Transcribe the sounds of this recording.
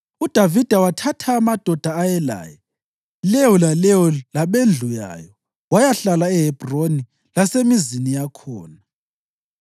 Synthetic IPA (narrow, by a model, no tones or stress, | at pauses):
ud̥ʱavid̥ʱawatʰatʰaːmad̥ʱɔd̥ʱaːjɛla̰ːjɛ | lɛwɔlalɛwɔlaɓend͡ɮʱuja̰ːjɔ | wajaɬalaɛɦɛb̥ʱroni | lasemizinijakʰɔːna